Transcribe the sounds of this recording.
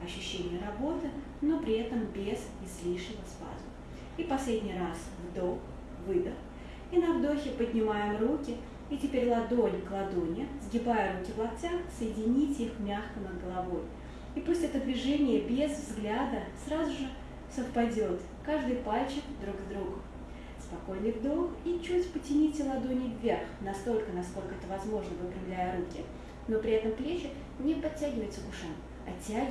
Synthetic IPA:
ɐɕːʉɕːenʲɪjəɾɐbo̞t̪ɨ | no̞pɾʲɪɛt̪əmbʲez̥ʲ | ɪzlʲiʂɪvəspa̰zʊ | ipɐsʲlʲedʲnʲɪjras | vd̪ox | vɨd̪əx | inɐvd̪o̞xʲɪpədʲnʲɪmajɪmrukʲɪ | itʲɪpʲeɾʲlˠɐd̪o̞lʲɡəlˠɐd̪onʲɪzɡʲɪbajəɾukʲɪvlˠɐp̚t͡sʲaxsəjɪdʲɪnʲitʲixmʲaxkənəd̪̚ɡəlˠɐvo̞j | ipusʲtʲɛt̪əd̪vʲɪʐɛnʲɪjəbʲezvzɡlʲad̪əsɾazʊʐɨ | səfpɐdʲo̞t̪ | kaʐd̪ɨjpalʲt͡ɕɪkd̪ɾuɡvd̪ɾuɡʊ | spɐko̞jnʲɨkd̪oxit͡ɕutʲpətʲɪnʲitʲɪlˠɐd̪onʲɪvʲːerxnɐst̪o̞lʲkənɐsko̞lʲkəɛt̪əvɐzmo̞ʐnəvɨkɾʲɪvlʲæjəɾukʲɪ | no̞pɾʲɪɛt̪əmplʲet͡ɕɪ | nʲɪpɐtʲːæɡʲɪvəjt̪səkʊʂam | ɐtʲːæ

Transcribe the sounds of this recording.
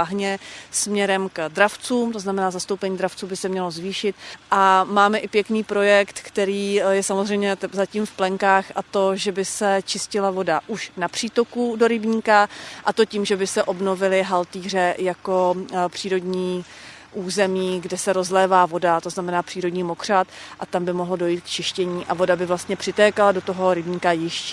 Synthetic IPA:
aɦɲɛsmɲɛɾɛmkdɾaft͡suːmt̪o̞znamɛnaːzast̪o̞wpɛɲiːdɾaft͡suːbɪsɛmɲɛlo̞zviːʃɪt̪ʔamaːmɛʔɪpjɛkniːpɾo̞jɛkt̪kt̪ɛɾiːjɛsamozr̝ɛjmɲɛzaciːmfplɛŋkaːxʔat̪o̞ʒɛbɪsɛt͡ʃɪscɪlavo̞daʔuʃnapr̥iːt̪o̞kudo̞ɾɪbɲiːkaʔat̪o̞ciːmʒɛbɪsɛʔo̞bno̞vɪlɪɦalt̪iːr̝ɛjako̞pr̥iːɾo̞dɲiː | ʔuːzɛmiːɡdɛsɛɾo̞zlɛːvaːvo̞dat̪o̞znamɛnaːpr̥iːɾo̞dɲiːmo̞kr̝̥at̪ʔat̪ambɪmoɦldo̞jiːt̪̚kt͡ʃɪʃcɛɲiːʔavo̞dabɪvlast̪ɲɛpr̥ɪt̪ɛːkalado̞t̪o̞ɦo̞ɾɪbɲiːkajɪʃcɛ

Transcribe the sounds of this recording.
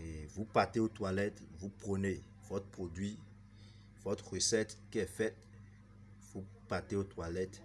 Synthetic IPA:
evupat̪eot̪walɛt̪vupχəne | vɔt̪χpχod̪ɥi | vɔt̪χʁəsɛt̪kiɛfɛt̪̚ | vu | pat̪eot̪walɛt̪

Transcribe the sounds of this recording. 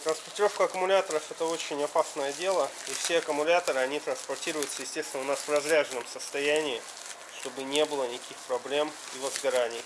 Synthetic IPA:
t̪ɾənspərtʲɪɾofkəɐkʊmʊlʲat̪əɾəfɛt̪əo̞t͡ɕɪnʲɐpasnəjədʲe̞lˠəifsʲe̞ɐkʊmʊlʲat̪əɾɨɐnʲit̪ɾənspɐrtʲiɾʊjʊt̪səjɪsʲtʲest̪ʲɪnʊnasvrɐzɾʲaʐɨnəmsəst̪ɐjænʲɪː | ʂt̪o̞bɨnʲe̞bɨlˠənʲɪkʲixpɾɐblʲe̞m | ivəzɡɐɾanʲɪj

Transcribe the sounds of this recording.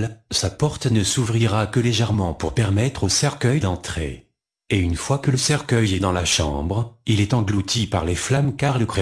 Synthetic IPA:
sapɔʁt̪nəsuvʁiʁakəleʒɛʁmɑ̃puʁpɛʁmɛt̪χosɛʁkʲœjd̪ɑ̃t̪χḛ | eynfwakələsɛʁkʲœjɛd̪ɑ̃laʃɑ̰̃bʁilɛt̪ɑ̃ɡlut̪ʰipaʁleflamkaʁlək

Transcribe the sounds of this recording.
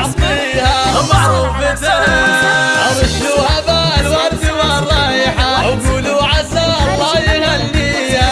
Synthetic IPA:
ʕt̪ˤiːhamɑʕɾˤuːfbɪd̪a | ʔɑɾˤɪʃuːhabalwɑɾˤd̪ɪwaɾˤɑːjɪħawɡuːluʕasalˤːɑːjɪhalːiːa

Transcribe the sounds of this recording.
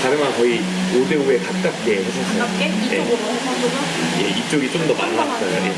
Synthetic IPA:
kaɾɯmankʌi | ode̞ue̞kat̚k͈ak̚k͈e̞sʰasʰʌs͈ʌjje | je̞it͡ɕ͈oɡit͡ɕ͈omdʌmanːas͈ʌjojḛ

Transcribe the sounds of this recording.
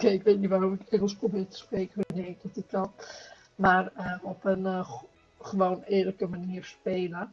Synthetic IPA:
keɪkʋeːtnitʋaːrɔmɪkɛŋəlˠsprobɪːtə̥spreːkəʋnek̚dətətɔn | maːrəɔpən | χəʋoːnɪːrləkəmaniːərspeːlə

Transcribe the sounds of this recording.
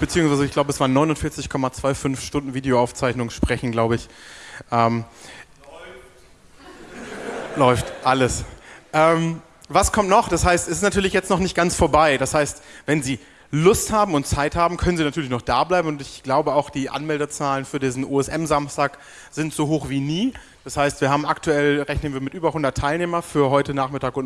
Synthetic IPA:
b̥ət͡siːʊŋsvaɪzəɪçɡ̥laʊbəɛsv̥aːɐnːɔʏnʊntfɪɐt͡sɪçkʰɔmat͡sv̥aɪfʏnfʃtʊndn̩viːdeoaʊft͡saɪçnʊŋənʃpʁ̥ɛçn̩ɡlaʊbəɪçʔɛːm | lɔʏftʔaləsʔɛːm | vaskʰɔmtnɔχd̥ashaɪstɛsɪstnatʰyːɐlɪçjɛt͡stnɔχnɪçt̚ɡ̥ant͡sfoːɐbaɪdashaɪstvɛnziː | lʊsthaːbm̩ʊntt͡saɪthaːbm̩kʰœnənzinatʰyːɐlɪç̬nɔχd̥aːblaɪbm̩ʊntɪçɡ̥laʊbəaʊxd̥iːʔa̰nmɛldət͡saːlənfyːɐdiːzn̩ʔuɛsʔɛmzamstaːk | z̥ɪntz̥oːɦoːxv̥iːniː | d̥ashaɪstv̥iːɐɦaːbm̩aktʰuɛlʁɛçnənviːɐmɪtʔyːbɐhʊndɐtʰːaɪlneːmɐfyːɐɦɔʏtənaːχmɪtaːkʊn

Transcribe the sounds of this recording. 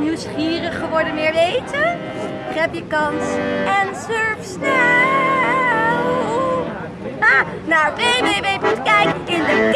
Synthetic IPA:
niwsχiːrəχəʋɔɹdəmɪːɹʋejtə | kɛpjəkɑnsɛnsøɹfsnɛ | lˠ | a | naːɹpejmejbejpətkɛjkɪndək

